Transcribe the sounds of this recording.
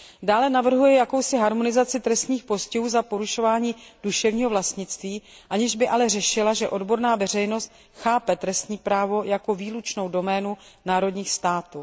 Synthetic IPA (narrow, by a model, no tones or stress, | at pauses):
daːlɛnavr̩ɦujɛjako̞wsɪɦaɾmo̞nɪzat͡sɪt̪ɾɛst̪ɲiːxpo̞scɛɦuːzapo̞ɾuʃo̞vaːɲiːd̥uʃɛvɲiːɦo̞vlast̪ɲɪt͡st̪viːʔaɲɪʒbɪʔalɛrɛʃɪlaʒɛʔo̞dbo̞ɾnaːvɛr̝ɛjno̞st̪ | xaːpɛt̪ɾɛst̪ɲiːpɾaːvo̞jako̞viːlut͡ʃno̞wdo̞mɛːnunaːɾo̞dɲiːxst̪aːt̪u